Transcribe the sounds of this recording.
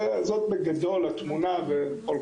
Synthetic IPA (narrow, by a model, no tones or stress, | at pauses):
zot̪̚beɡad̪o̞lat̪munavepol